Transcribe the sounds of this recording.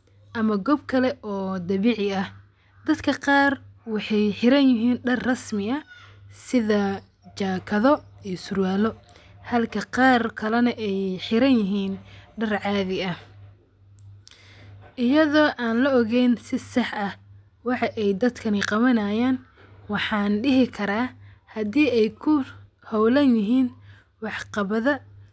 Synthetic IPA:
ʔɐmɐɡɔbkʰɐlɛʔɔːd̪ɐβiːʕɪɐh | d̪̥ɐd̪kʰɐqɑːrwɑħɑjħɪɾɐnjɪɦiːnɖɐrːɐsmɪɐsɪðɐ | t͡ʃaːkʰɐðɔiːsʊrwaːlɔ | hɐlkʰɐqɑːrkʰɐlɐnɐʔɛjħɪɾɐnjɪɦiːnɖɐrʕɑːðɪɐh | ʔɪjɐðɔːʔaːnlɐɔɣɛjnsɪsɑħɐ | wɑħɑʔɛjd̪ɐd̪kʰɐniqɑβɐnaːjaːn | wɑħɑːnɖɪɦɪkʰɐɾaːhɐdiːɛjkʰʊ | hɔwlɐnjɪɦiːn | wɑħqɑβɐðɐ

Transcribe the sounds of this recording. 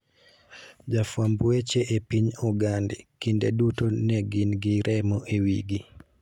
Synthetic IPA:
d͡ʒafwambwet͡ʃeʔepiɲuɡandḭkindedutonɛɡinɡiɾʔɛmɔʔewiɡi

